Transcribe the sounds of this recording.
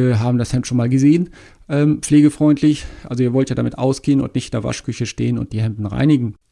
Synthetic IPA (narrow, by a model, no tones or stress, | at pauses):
ɦaːbm̩dashɛmtʃoːnmaːlɡəzeːən | ʔɛːmfleːɡəfʁ̥ɔʏntʰlɪçʔa̰lzoiːɐvɔltjaːdamɪtʔa̰ʊsɡ̥eːənʊ̰ntnɪçtɪndeːɐva̰ʃkʏçəʃtḛːənʊ̰nt̚d̥iːɦɛmtn̩ʁa̰ɪnɪɡŋ̩